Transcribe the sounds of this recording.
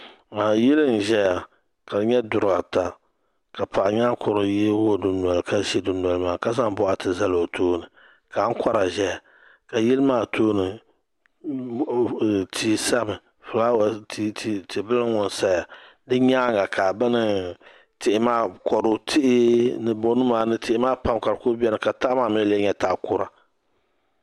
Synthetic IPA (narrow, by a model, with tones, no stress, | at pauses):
a˨jɪ˦lɨ˦n˨ʒɛ˦ja˨ | ka˨˦ɲɛ˦dʊ˨ɾɡa˨ta˨ | ka˨pa˨ʔɲaː˦kʰʊ˨ɾo˨jɛ˦wo˦˨dʊ˨n˨ɔ˨lka˦ʃɛ˦dʊ˨n˨ɔ˨lmaː˨ka˦za˦ŋ˦bɔ˦ʔa˨tɨ˨za˦lo˨tʰoː˦nɨ˨ | ka˨˦ŋ̩˦ka˦ɾa˨ʒɛ˦ja˨ | ka˨jɪ˦lmaː˦˨toː˦nɨ˨ | tʰiː˦sa˦mɨ˨ | fʊ˨la˦wti˦tːti˨˦bɨ˦lɨ˦ŋʊ˨n˨sa˦ja˨ | dɨ˦ɲaː˦ŋɡa˨kʰa˨bɨ˦nɨ˨ | tɪ˨ʔɪ˨˦maː˦kɔ˨ɾʊ˨tʰɪ˦ʔɪ˦nɨ˨bo˦nɨ˦maː˨nɨ˦tɪ˦ʔɪ˦maː˦pa˦mka˨ɾkʊ˦bɛ˦nɨ˨ka˨ta˦ʔmaː˦˨mɪ˦lɛ˦ɲɛ˦ta˦ʔkʊ˦ɾa˨